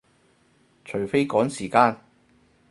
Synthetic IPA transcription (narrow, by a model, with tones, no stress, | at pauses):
t͡ʃʰɵ˨˩ɥfe˥jkɔː˨˥ŋsiː˨˩kaː˧n